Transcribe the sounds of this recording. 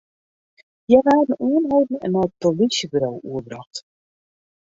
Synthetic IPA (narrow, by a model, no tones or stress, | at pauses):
jɛvaːdən̩uənɦowdn̩ə̰nɔt̚tolisjəbyɾowuərbrɑxt